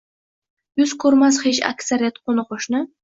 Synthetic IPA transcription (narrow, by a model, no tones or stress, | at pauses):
jʊzkʰɵɾmashet͡ʃa̰kʲsaɾijat̪qʰonɨqʰoʃnɪ